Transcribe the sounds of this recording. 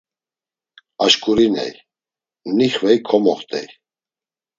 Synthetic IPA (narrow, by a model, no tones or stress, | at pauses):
aʃkʼuɾinɛ̰j | niχvɛjkʰɔmɔχt̪ʰʼɛ̰j